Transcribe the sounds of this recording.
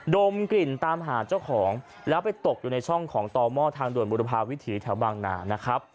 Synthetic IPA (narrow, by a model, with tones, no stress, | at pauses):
do˧mkli˨˩nt̪aː˧mɦaː˩˦t͡ɕa˥˩wkʰɔː˩˦ŋ | lɛː˦˥wpa˧jt̪o˨˩k̚juː˨˩na˧jt͡ɕʰɔ˥˩ŋkʰɔː˩˦ŋt̪ɔː˧mɔː˥˩t̪ʰaː˧ŋdu˨˩ənbuː˧ɾa˧pʰaː˧wi˦˥t̪ʰiː˩˦t̪ʰɛ˩˦wbaː˧ŋna̰ː˩˦na˦˥kʰɾa˦˥p̚